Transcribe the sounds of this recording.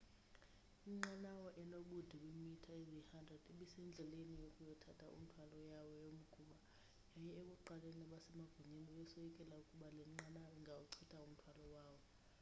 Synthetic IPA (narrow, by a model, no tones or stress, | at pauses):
imŋ͡ǀanawɔʔɛnoɓud̥ʱiwimitʰaezihandʱrɛd̥eɓisɛnd͡ɮʱɛlenijokʼujɔtʰatʰʼaʔṵm̩tʰwalɔjawɔjom̩ɡ̥ʱuɓa | jajɛek̬ʼuǃalenaɓasɛmaɡ̥ʱuɲeniɓɛsojikʼɛlaukʼuɓalɛŋ͡ǁanaiŋɡʱawuǀʰitʰʼaum̩tʰwalɔwaːwɔ